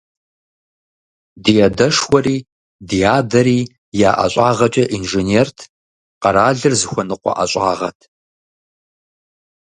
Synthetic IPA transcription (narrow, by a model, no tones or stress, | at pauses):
dijɛdɐʂwʷɔriː | dijaːdɐɾiː | jaːʔɐ̰ɕʷʼaːʁɐt͡ʃʼɐʔinʒeneːrtʰ | qɐɾaːɮɨrzɨxʷɔnɨqʷɔ̰ʔɐ̰ɕʷʼa̰ːʁɐ̰tʰ